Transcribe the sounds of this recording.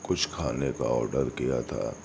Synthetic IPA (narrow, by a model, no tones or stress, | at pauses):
kʊt͡ʃʰkʰaːneka̰ɔ̰ːɾɖəɾkija̰t̪ʰa̰ː